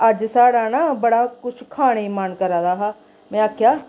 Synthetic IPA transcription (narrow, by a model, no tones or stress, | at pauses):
əd͡ʒsaːɽaːnaːbəɽaːkʊt͡ʃʰkʰaːɽ̃emənkəɾãːd̪aːɦaː | mɛ̃ːaːkʰjaː